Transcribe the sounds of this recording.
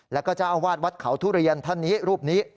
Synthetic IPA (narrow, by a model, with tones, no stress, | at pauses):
lɛ˦˥˩wkɔː˥˩t͡ɕa˨˩ʔa˧waː˥˩t̪̚wa˦˥t̪̚kʰa˩˦wt̪ʰuː˦˥˩ɾa˧jnt̪ʰa˥˩nːiː˦˥ɾuː˥˩p̚niː˦˥